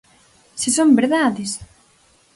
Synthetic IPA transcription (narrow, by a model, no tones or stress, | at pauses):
sesombeɾðaðes